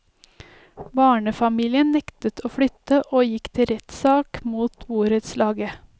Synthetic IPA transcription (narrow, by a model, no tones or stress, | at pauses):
bɑːɳəfɑmiːlɪənnɛkt̪ət̪ʰoːfɽʏt̪əʔoːjɪkt̪ʰɪɾɛt̪sɑːkmuːt̪buːɾət̪slɑːɡə